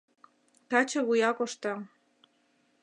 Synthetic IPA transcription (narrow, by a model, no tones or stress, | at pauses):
t̪ɑt͡ɕɤ̆βujɑkoʃt̪ɑ